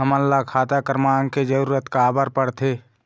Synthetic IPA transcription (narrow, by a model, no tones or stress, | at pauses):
ɦəmənːakʰaːt̪akəɾmaːŋked͡ʒəɾuːɾət̪kaːbəɾpəɽt̪ʰe